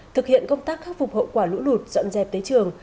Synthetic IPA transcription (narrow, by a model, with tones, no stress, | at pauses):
t̪ʰɨ˨˩k̚hḭ˧˨ənkə˧wŋ͡mt̪aː˦˥k̚xaː˦˥k̚fu˨˩k͡p̚ho̰˧˨kwaː˧˩lṵ˧˥lu˨˩t̚zɔ̰˧˨nzɛ˨˩p̚t̪əː˨˦jt͡ɕɨ˨˩əŋ